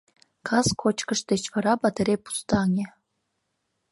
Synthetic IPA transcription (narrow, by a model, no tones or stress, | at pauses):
kʰɑskʰot͡ɕkə̆ʂt̪et͡ɕvɑɾɑbɑt̪eɾʲepu̥st̪ɑnʲe